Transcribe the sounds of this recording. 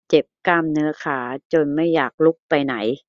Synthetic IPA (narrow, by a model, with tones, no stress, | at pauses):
t͡ɕe˨˩p̚ka˧mnɯ˦˥ɐkʰaː˩˦t͡ɕo˧nma˥˩jːaː˨˩k̚lu˦˥˩k̚pa˧jna˩˦j